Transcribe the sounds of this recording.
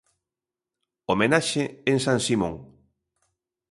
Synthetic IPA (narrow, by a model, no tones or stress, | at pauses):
omenaʃeeŋsãnsimõŋ